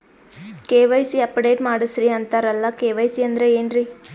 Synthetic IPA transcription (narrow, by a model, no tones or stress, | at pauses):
keːʋɐjsiɐpːɖeːʈmaːɽɯsɾiɐnt̪aːɾɐlːɐkeːʋɐjsiɐnd̪ɾeeːnɾi